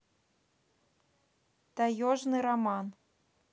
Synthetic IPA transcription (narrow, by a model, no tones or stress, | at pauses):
t̪ajɔʐnɨɾaman